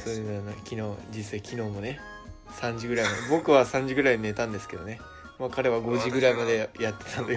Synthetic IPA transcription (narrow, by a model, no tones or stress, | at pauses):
sonanakʲino̞ːd͡ʑisaikʲino̞ːmo̞ne̞ | sãɲ̟d͡ʑiɡɯ̟ɾaimad̪ebo̞kɯ̟βasãɲ̟d͡ʑiɡɯɾaiɲine̞t̪ãnd̪e̞sɨ̥ke̞d̪o̞ne̞ | makaɾe̞βaɡo̞ʑiɡɯ̟ɾaimad̪e̞jat̪ːe̞̥t̪ʰãnd̪e